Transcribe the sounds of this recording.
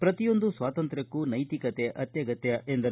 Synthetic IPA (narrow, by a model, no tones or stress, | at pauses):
pɾɐt̪ijo̞nd̪usʋaːt̪ɐnt̪ɾɐkːunɐjt̪ikɐt̪eʔɐt̪jɐɡɐt̪jɐʔend̪ɐ